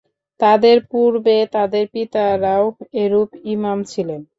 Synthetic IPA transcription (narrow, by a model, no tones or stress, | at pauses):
t̪ad̪eɾpuɾbet̪ad̪eɾpit̪aɾaweɾupimamt͡ɕʰilen